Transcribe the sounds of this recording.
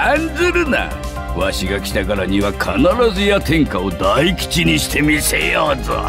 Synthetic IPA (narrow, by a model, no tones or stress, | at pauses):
ãnd͡zɨɾɯna̰ | βaɕiɡakʲi̥t̪akaɾaɲ̟iβakʰanaɾazɨjat̪ẽ̞ŋkao̞d̪aikʲi̥t͡ɕiɲ̟iɕi̥t̪e̞mʲisejozɨ̰